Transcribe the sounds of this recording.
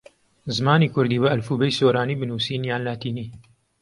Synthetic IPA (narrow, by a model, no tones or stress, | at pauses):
zɨmaːniːkʰʊɾd̪iːwɐɐlfuːbɛjsoːɾaːniːbɨnuːsiːnjaːnlaːt̪iːniː